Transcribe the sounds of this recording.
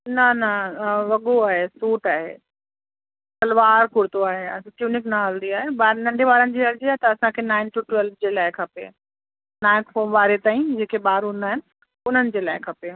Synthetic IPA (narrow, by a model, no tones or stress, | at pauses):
nɐnɐʋɐɠoaːɦesuːʈaːɦḛ | t̪ɐlʋaːɾkʊɽt̪oaːɦeɐʈjuːnɪknɐɦɐld̪iaːɦebaːɾnɐ̃ɳɖʱeʋaːɾənɪ̆d͡ʑiːɐɾd͡ʑiaːɦet̪ɐɐsãkʰenãːɪnʈuʈʊʋɛlʋd͡ʑeːlaːɪkʰɐpḛː | naːɪ̃kfoːmʋaːɾet̪aːĩd͡ʑeːkʰeɓaːɾunaːɦɪnɪ̆ | ʊn̤ənɪ̆d͡ʑeːlaːɪkʰɐpeː